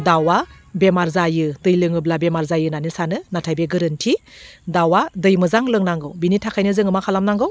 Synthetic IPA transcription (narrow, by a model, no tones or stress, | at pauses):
dawa | bemaɾzajɯdɯjlɯŋɯblabemaɾzajɯnanɯsanɯnatʰajbeɡɯɾɯntʰidawadɯjmɯzaŋlɯŋnaŋɡɯwbinitʰakʰajnɯzɯŋɯmakʰalamnaŋɡɯw